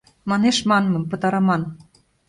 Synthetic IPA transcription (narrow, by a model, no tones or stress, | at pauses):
mɑneʃmɑnmɤ̆mpɤ̆t̪ɑɾɑmɑn